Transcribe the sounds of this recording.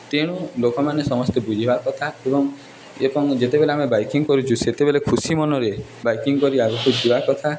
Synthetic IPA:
t̪eɽ̃ulokɔmanesɔmɔst̪ebud͡ʒʱibakɔt̪ʰaebɔŋ | epɔŋd͡ʒet̪ebeleamebajkiŋkɔɾut͡ʃʰuset̪ebelekʰusimɔnɔɾe | bajkiŋkɔɾiabɔkud͡ʒibakɔt̪ʰa

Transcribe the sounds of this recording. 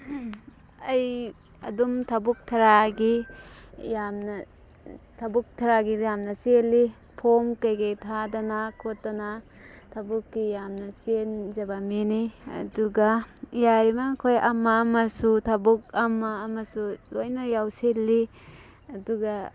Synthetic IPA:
ɐj | ɐ̰dumtʰɐbuk̚tʰɐɾaɡi | jamnɐ | tʰɐbuk̚tʰɐɾaɡijamnɐsielːi | pʰomkɐjɡejtʰadanakʰotːana | tʰɐbukːijamnɐsienzɐbaminiɐ̰duɡajaɾimakʰojʔɐmamɐsutʰɐbuk̚ɐmːaːmɐsulojnajawselːi | ɐduɡa

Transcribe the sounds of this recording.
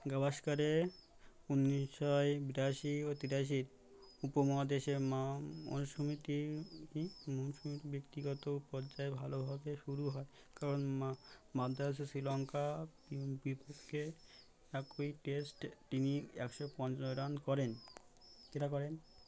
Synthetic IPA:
ɡabaʃkaɾe | unːiʃʃɔebiɾaʃiot̪iɾaʃ̬iɾ | upomɔad̪eʃemaɔ̰nʃomit̪i | monʃomit̪ibekt̪iɡɔt̪opɔɾd͡ʑaebʱalobʱabeʃuɾuɦɔe | kaɾonmad̪ʱasosɾilɔŋkabibipokʰːe | ɛkojʈesʈt̪iniɛ̰kʃopɔnt͡ɕnoɾankɔɾen | keʈakɔɾen

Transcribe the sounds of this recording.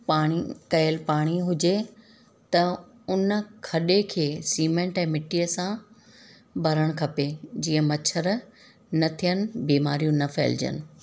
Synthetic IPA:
paːɽ̃ikɐɪlpaːɽ̃iɦʊd͡ʑe | t̪ɐ | ʊn̆kʰɐɗekʰeːsiːmẽːɳʈɛ̃ːmɪʈijəsã | bʱɐɾəɽ̃kʰɐped͡ʑiːə̃mɐt͡ɕʰəɾ | nɐt̪ʰijənɪ̆biːmaːɾijũnɐfḛːld͡ʑə̰nɪ̆

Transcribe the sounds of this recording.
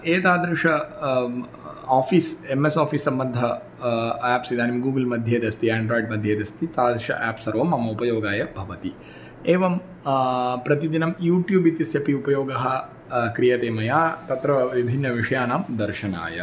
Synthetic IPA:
eːt̪aːd̪ɾiʂɐ | aːfiːsemesaːfiːsːɐmbɐnd̪ʱɐ | æːpsid̪aːnɐmiɡuːɡlmɐd̪ʱjeːd̪ɐst̪iɛːɳɖɾoːiɖmɐd̪ʱjeːd̪ɐst̪it̪aːd̪ɾiʂɐ̰ʔæːpsɐɾʋɐmɐmɐupɐjoːɡaːjɐbʱɐʋɐt̪i | eːʋɐm | pɾɐt̪id̪inɐmjuːʈjuːbit̪isjɐpiupɐjoːɡɐɦɐ̆ | kɾijɐt̪eːmɐjaːt̪ɐt̪ɾɐʋibʱinːɐʋiʂɐjaːnaːmd̪ɐɾʃɐna̰ːjɐ̰

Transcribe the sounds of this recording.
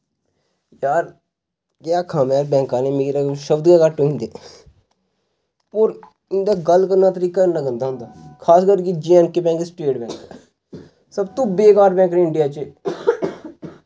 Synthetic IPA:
jaːɾ | kejaːkʰaːmɛːɾbɛ̃ːŋkãːneːmeːɾaʃəbd̪ɡaːkəʈːoĩːnd̪eː | oːɾ | ɪnd̪aːɡəlːkəɾnaːt̪əɾiːkaləɡə̃nd̪aːɦʊnd̪aːkʰaːskəɾkid͡ʒiɛ̃ːnkeːbɛ̃ːŋksʈeːʈbɛ̃ːkː | səbt̪õːbeːkaːɾbɛ̃ːŋkneɪɳɖɪjaːt͡ʃe

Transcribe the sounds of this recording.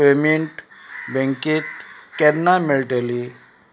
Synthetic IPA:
emiɳʈbẽŋkit̪kɛɾnamiɭʈeli

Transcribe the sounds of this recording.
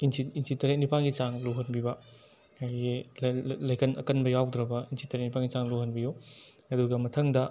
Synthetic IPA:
insʰiinsʰitɐɾeknipʰaŋɡit͡ʃaŋluɦɐnbibɐ | aɡellɐjkʰɐnʔɐ̰kɐnbɐjawd̪ɾɐbɐinsʰitɐɾeknipʰaŋɡit͡ʃaŋluhɐnbijuɐduɡɐmɐtʰɐŋdɐ

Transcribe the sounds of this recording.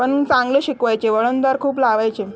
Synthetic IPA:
pəɳt͡sãŋɡləːɕikʋajt͡ɕeʋəɭənt̪aɾkʰuːplaʋajt͡ɕe

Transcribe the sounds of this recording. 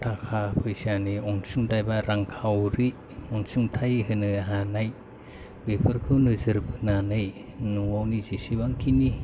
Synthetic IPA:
tʰakʰapʰɯjsianiɔŋsuŋdajbaɾʔaŋkʰawɾi | ɔŋsuŋtʰajɦɯnɯɦanaj | bepʰɯɾkʰɯwnɯzɯɾbɯnanɯj | nuwawnizisibaŋkʰini

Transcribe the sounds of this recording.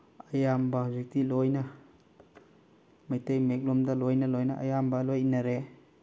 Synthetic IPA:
ɐjambɐzik̚tilojnɐ | mɐjtɐjmek̚lomdɐlojnɐlojnɐʔɐjambɐlojnɐɾe

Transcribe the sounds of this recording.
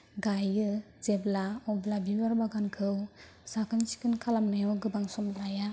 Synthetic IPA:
ɡajɯ | zeblaɔblabibaɾbaɡankʰɯw | sakʰansi̥kɯnkʰalamnajwɡɯbaŋsɔmlaja

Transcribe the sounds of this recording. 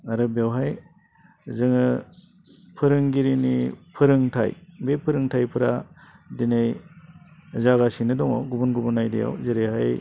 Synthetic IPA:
aɾɯbewɦaj | zɯŋɯ | pʰɯɾɯŋɡiɾinipʰɯɾɯŋtʰa̰jbepʰɯɾɯŋtʰajpʰɯɾadinej | zaɡasinɯdɔŋɔwɡubunɡubunːajdḛja̰wzeɾehaj

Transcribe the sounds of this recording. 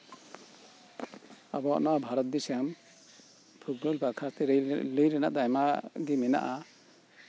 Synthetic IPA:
abɔa̰ʔnaabʱaɾɔt̪̚bisɛjam | pʰuɡɾɔlbakʰaɾt̪ɛɾləjɾɛnaʔd̪ajmaɡɛmɛna̰ʔa

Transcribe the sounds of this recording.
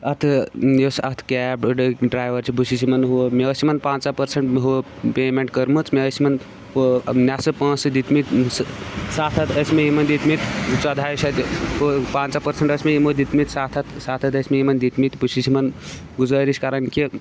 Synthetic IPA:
ɐt̪ʰjosɐt̪ʰkɛːbɖɖɾaːjʋəɾt͡ʃʰibʱusʰisʰimɐnɦumeəsimɐnpãːnt͡sapɐɾseɳʈmeɦuə | peːmeɳʈ̚kəɾmɨt͡smeəsimɐn | nʲasɨpãːt͡sɨd̪it̪mit̪ | saːt̪ʰɐt̪ʰɐsmejimɐnd̪it̪mit̪t͡ʃɐd̪ʱaːjsɐt̪pãːnt͡sapɐɾseɳʈəsmejimod̪it̪mit̪saːt̪ʰɐt̪ʰsaːt̪ʰɐt̪əsʲmejimɐnd̪it̪mit̪busʰisʰimɐn | ɡuzaːɾisʲkaːɾɐnki

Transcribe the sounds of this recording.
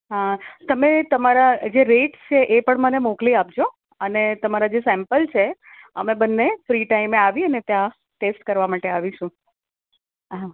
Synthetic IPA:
ɦat̪əmet̪əmaɾad͡ʒeɾeʈt͡ʃʰeʔepəɳmənemokliap̚d͡ʒo | ənet̪əmaɾad͡ʒesɛ̃mpəlt͡ʃʰe | əmẽbənːefɾiʈaimeaʋiənet̪jã | ʈesʈkəɾʋamaʈeaʋiʃũ | ɦa

